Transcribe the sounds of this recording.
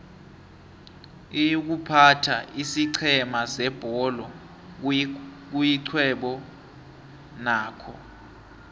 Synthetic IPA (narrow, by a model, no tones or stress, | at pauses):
ijuk̬upʰatʰaʔisiǀʰɛmasɛb̥ʱɔlɔ | k̬ujiǀʰwɛɓɔ | naːkʰɔ̰